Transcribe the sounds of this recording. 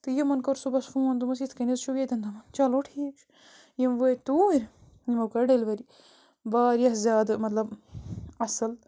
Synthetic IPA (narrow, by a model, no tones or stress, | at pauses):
t̪ɨjimɐnkoɾsubɐsfũːɐnd̪umɐs̬it̪ʰkɐnizʃʰuɡet̪ɐnd̪ɐmɐnt͡ʃɐloːʈʰiːkt͡ʃʰ | jimʋojt̪uːɾʲ | jimɐkɐɖɐlʋɐɾi | baːɾijɐɦzʲjaːd̪mɐt̪lɐb | ɐsɐl